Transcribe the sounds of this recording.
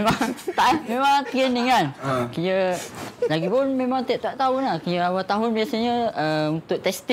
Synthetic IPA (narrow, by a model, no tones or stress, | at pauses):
mãŋt̪aʔmẽmãŋt̪ɾɛndəŋankəjə | laɡipʊnmẽmãŋt̪əʔ̚t̪aʔt̪aɦʊnahkəjəawat̪aɦʊnbiasaɲə̃əunt̪ʊʔ̚t̪ɛst̪ɪ